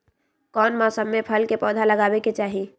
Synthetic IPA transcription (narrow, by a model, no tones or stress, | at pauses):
kɔːnmasəmːepʰəlkepɔːd̪ʱaləɡaːbeket͡ʃaːɦi